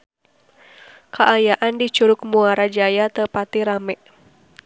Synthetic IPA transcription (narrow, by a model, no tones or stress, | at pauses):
kʰaʔajaʔandit͡ʃuɾʊk̚muaɾad͡ʒajat̪əpat̪iɾamɛʔ